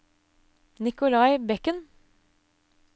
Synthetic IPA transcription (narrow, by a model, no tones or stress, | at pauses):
nɪkʊlɑɪbɛkən